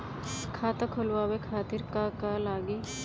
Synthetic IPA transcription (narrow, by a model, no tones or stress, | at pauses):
kʰaːt̪akʰolwaːwekʰaːt̪ɪɾkakalaːɡiː